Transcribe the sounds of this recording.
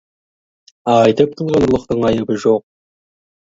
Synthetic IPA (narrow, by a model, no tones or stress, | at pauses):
ɑɑjt̪əp̚t̪ʰulˠʁɑnlˠəqt̪əɴɑjəbəʒoq̚